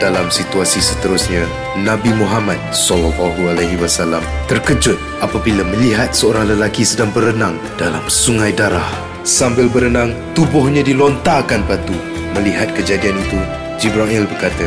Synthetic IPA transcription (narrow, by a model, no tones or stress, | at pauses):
d̥alamsit̪uasisət̪əɾʊsɲa | nãbimuɦamat̪̚sɔlalaɦualajɦiwasalamt̪ərkəd͡ʒʊt̪̚apabilaməliɦat̪̚səoɾahləlakisədaŋbəɾənãŋ | d̥ala̰msuŋajdaɾah | sambɪlbəɾənãŋt̪ubʊhɲãdilɔnt̪akanpat̪u | məliɦat̪̚kəd͡ʒadianit̪u | d͡ʒibɾaʔilbərkat̪ə